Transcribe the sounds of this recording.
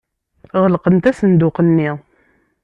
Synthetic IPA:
ʁəlqənt̪æsənd̪ʊqənːi

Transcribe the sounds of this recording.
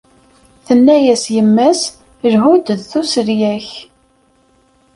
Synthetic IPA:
θənːæjæsjəmːæs | lɦud̪ðθusəɾjæç

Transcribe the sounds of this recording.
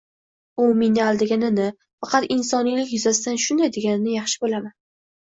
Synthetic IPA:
ʊmenɪalˠd̪ɪɡʲanɪnɪ | fɑqʰɑt̪ɪnsɒnijlɪkʲjʊzasɪd̪anʃʊnd̪ajd̪e̞ɡʲanɪnɪjɑχʃɪ̥bolaman

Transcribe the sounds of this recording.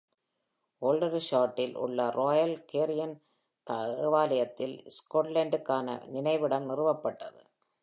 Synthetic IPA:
oːlɖɐɾʃaːʈːɪlʔʊ̰ɭːɐɾoːjɐlkeːɾɪjɐn | t̪aʋaːlɐjɐt̪ːɪlskoːʈlɐɳɖɯkːaːnɐ̰nɪnɐɪʋɪɽɐmnɪrɯʋɐpːɐʈːɐðɯ̰

